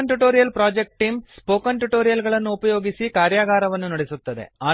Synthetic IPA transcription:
nʈuʈoːɾijɐlpɾaːd͡ʒek̚ʈʈiːmspoːkɐɳʈuʈo̞ːɾijɐlɡɐɭɐnːuːpɐjo̞ːɡisikaːɾjaːɡaːɾɐʋɐnːunɐɽesut̪ːɐd̪ḛaː

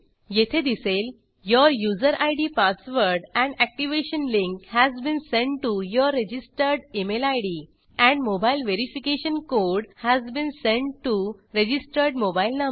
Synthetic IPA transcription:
jet̪ʰed̪isel | jəɾjuzəɾʔajɽipasʋəɾɖɛ̃ɳɖæk̚ʈiʋeɕənlĩŋkhæzbĩːnsẽɳʈʈujəɾːed͡ʑisʈəɾɖemelajɖi | ɛ̃ɳɖmobailʋeɾifikeɕənkoɖhæzbĩːnsẽɳʈʈːuɾed͡ʑisʈəɾɖmobailna

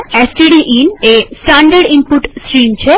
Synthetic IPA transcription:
esʈiɖiʔinesʈaɳɖəɾɖimpuʈsʈɾimt͡ɕʰe

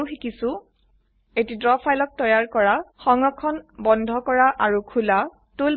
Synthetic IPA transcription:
uxikisʊ | etidɹɔpʰajlɔk̚tɔjaɹkɔɹaxɔŋɔkʰɔnbɔndʱɔkɔɹaʔaɹukʰula | tul

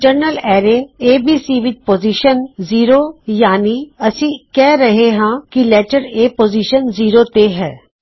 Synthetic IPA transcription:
d͡ʒəɾnəlɛːɾeeːbʱiːsiːʋɪd͡ʒpoːziːʃənziːɾojaːniɐsĩkɛːɾɐɦeɦãkileːʈəɾeːpoːziːʃənziːɾot̪eɦɛː

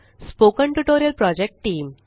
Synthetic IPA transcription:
spokə̃ɳʈuʈoɾijəlpɾɔd͡ʑek̚ʈʈiːm

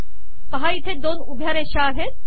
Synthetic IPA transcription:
pɐɦait̪ʰed̪oːnubʱjaːɾeʃaːɦe

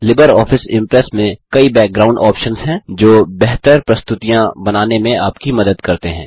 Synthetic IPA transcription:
lɪbəɾɔːfɪsɪ̰̃mpɾɛsmẽkɐibɛːk̚ɡɾaːʊ̃ɳɖɔːpʃənzɦɛ̃ːd͡ʒoːbɛɦt̪əɾpɾɐst̪ʊt̪ijãbɐnaːnemẽaːpkimɐd̪əd̪kɐɾt̪eɦɛ̰̃ː

